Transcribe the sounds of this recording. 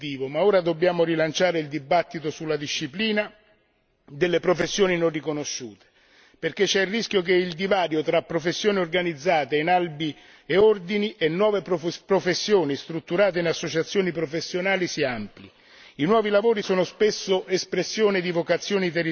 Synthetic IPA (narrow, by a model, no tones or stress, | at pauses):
t̪iːvomaoːɾad̪obːjaːmoɾilant͡ʃaːɾeild̪ibat̪ːit̪osulːad̪iʃːipliːna | d̪elːepɾofesːjoːninorrikonoʃːuːt̪e̥ | perk̟et͡ʃːɛirːisk̟jok̬eild̪ivaːɾjot̪ɾapːɾofesːjoːniorɡanid̪zːaːt̪einalbi | eord̪iniʔenːwɔːveppɾofesːjoːnist̪ɾut̪ːuɾaːt̪̬einasːot͡ʃat̪sjoːnipɾofesːjonaːlisiaampli | inwɔːvilavoːɾisoːnospesːoʔespɾesːjoːned̪ivokat̪sːjoːnit̪eri